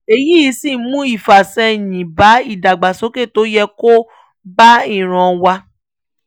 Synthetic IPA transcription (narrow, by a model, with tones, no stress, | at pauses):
e˧ji˦˧˦si˦˨˦mũ˦i˦˨fa˨sɛ˧˨jĩ˨ba˨˦i˦˨da˨ɡ͡ba˨so˨˦ke˦˨to˨˦jɛ˧ko˦ | ba˦i˦˨ɾ̃ã˧wa˧